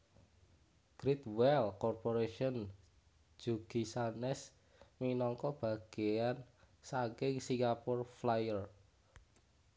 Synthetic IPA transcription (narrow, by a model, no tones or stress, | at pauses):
ɡ̥ɾit̪wɛlkɔrpoɾeʃiɔn̥ | d͡ʒ̥uɡ̥isanɛs | minɔŋkɔb̥ä̤ɡ̥ejan | sakɪŋsiŋɡapɔrflajər